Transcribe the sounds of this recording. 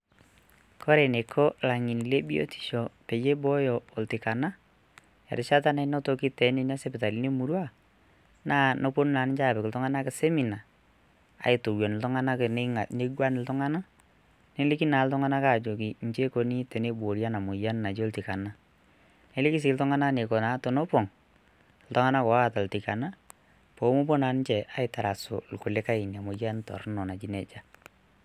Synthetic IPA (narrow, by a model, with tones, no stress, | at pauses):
kʰɔ˦ɾe˨ne˨kʰɔ˦la˨ŋi˨ni˨le˦bi˦o̰˦ti̥˨ʃɔ˨pe˨je˦bɔ˦jɔː˨ltɪ˨ka˨na˦ | ɛ̰˨ɾɪ˨ʃa˦t̬a˦na˨˦no˦to˨˦ki˦tɛ˨˦ne˦n˦a˦se˦pɪ˨ta˨li˦ne˦mu˨ɾwa˦ | na˦˨no˦po˦n˦na˨nɪ˦t͡ʃa˦˨pɪ˨kɪ˨ltʊ˦ŋa˦na˦kɪ˨se˦mi˨na˨ | a̰˨ɪ˨to˨wjɔ˨nɪ˨ltʊ˦ŋa˦na˦kn˦a˨ne˦ɡwa˦nɪ˨ltʊ˦ŋa˦na˦ | ne˦lɪ˦ki˦na˨˦ltʊ˦ŋa˦na˦ka˨d͡ʒo˨k̬i˨n˨t͡ʃe˦ko˦ni˦te˨ne˦bo˨ɾja˦na˨mo˨ja˦n˦na˨d͡ʒo˦lti˨ka˨na˦ | ne˦lɪ˦ki˦s̬i˨ltʊ˦ŋa˦na˦ne˨kɔ˨na˨˦to˨no˦po˨ŋ | l̩tʊ˦ŋa˦na˦kɔ˨a˦˨ta˨lti˨ka˨na˦ | po˨˦mo˦p̬o˦na˨˦n˦ɲt͡ʃɛ˨ʔa˨ɪ˨ta˨ɾa˨so̰˨lkʊ˨le˦ka˦ɪ˨n˨a˨mo˨ja˦ntɔ̰˨ɾnɔ˨na˨t͡ʃi˨˦nɛ˨t͡ʃa˦